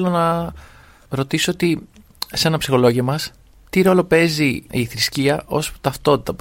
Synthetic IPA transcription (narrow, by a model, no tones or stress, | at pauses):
lonɐ | ɾo̞t̪isoot̪i | se̞nɐpsi̥xo̞lo̞ʝiɐmɐs | t̪iɾo̞lo̞pe̞ziiθɾisciɐʔo̞sput̪ɐft̪o̞t̪it̪ɐp